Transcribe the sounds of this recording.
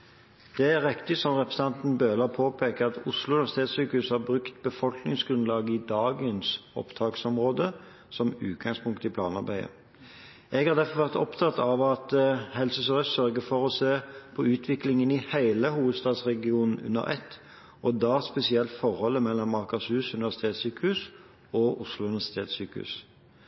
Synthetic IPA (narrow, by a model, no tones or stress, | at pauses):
d̪̥ɛæʁɪkt̪ɪsɔmʁɛpʁɛsət̪ɑnt̪n̩bøːlɑpʰoːpʰeːkəɑt̪ʊslʊnʋɛʁsɪt̪ʰeːt̪syːkəʉshɑʁbʁʉkt̪bəfɔlknɪŋsɡɾʉnlɑːɡəɪd̪ɑːɡənsɔ̰pt̪ʰɑːksɔmʁoːd̪ə | sɔmʉ̰ːt̪̚ɡɑŋspʊŋkt̪ɪpʰlɑ̰ːnɑɾbæɪə̰ | ɛɡhɑɾd̪æfɔʋæʁt̪ɔ̰pt̪ʰɑt̪ːɑʋɑt̪hɛlsəsɔɛssœʁɡəfɔʁɔseːpʰɔʉːt̪ʰʋɪklɪŋənɪhæɪləhuːʋəd̪st̪ɑːd̪sʁɛɡɪuːnn̩ʉ̰nə̰ʁɛ̰t̪ː | ɔd̪ɑːspɛsɪɛlt̪fɔɾhɔlːəmɛlːɔmːɑʁkɑshʉːsʉnɪʋæʁsɪ̥t̪ʰeːt̪syːkəʉs | ɔʔʊslʊʉnɪʋæsɪt̪ʰeːt̪syːkəʉ̰s